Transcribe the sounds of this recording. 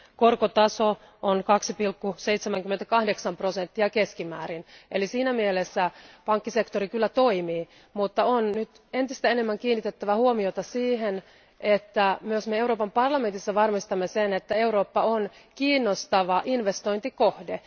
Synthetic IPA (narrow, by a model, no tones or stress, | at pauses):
korkot̪ɑso | ʔonkɑksipilkːuseit̪semæŋkymːet̪ækɑhdeksɑmpro̞sent̪ːiɑke̞skimæːɾinʔelisiːnæmielesːæpɑŋkːise̞kt̪oɾikylːæt̪oimiː | mut̪ːɑonnyt̪ | e̞nt̪ist̪æenemːæŋkiːnːit̪et̪ːæʋæhuomiot̪ɑsiːɦen | ʔet̪ːæmyøsmeewɾoːpɑmpɑrlɑme̞nt̪isːɑʋɑrmist̪ɑmːesenet̪ːæe̞uɾo̞ːpːɑonkiːnːost̪ɑʋɑʔinʋest̪o̞jnt̪iko̞hde